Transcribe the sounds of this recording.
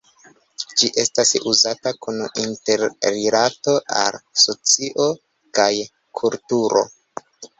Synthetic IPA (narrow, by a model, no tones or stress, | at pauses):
d͡ʒiʔe̞stasuzatakuninte̞ɾːelato̞ʔa̰lso̞t͡siʔo̞ | kaj | kʰultuɾo̞̰